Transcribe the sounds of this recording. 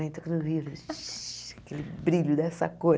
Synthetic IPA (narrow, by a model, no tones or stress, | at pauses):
ẽt̪oknʊvivɾ | ɐkelɪbɾiʎʊd̪ɛsɐ̰ko